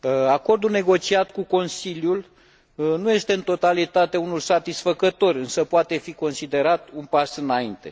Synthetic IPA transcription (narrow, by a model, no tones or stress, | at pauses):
ako̞rd̪ulne̞ɡo̞t͡ʃiat̪kuko̞nsilʲjul | nuje̞st̪e̞ɨnt̪o̞t̪alit̪at̪eunulsat̪isfəkət̪o̞rʲɨnsəpoat̪e̞fiko̞nsid̪e̞ɾat̪̚unpasɨnaint̪e̞̰